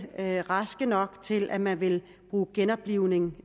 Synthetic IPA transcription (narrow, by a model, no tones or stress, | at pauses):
ʁɑ̈sɡ̥ənɒ̽ɡ̥t͡sʰe̝lʔæmænʋe̝l | b̥ʁuːɡ̥enɒ̽b̥liʊ̰ne̝ŋ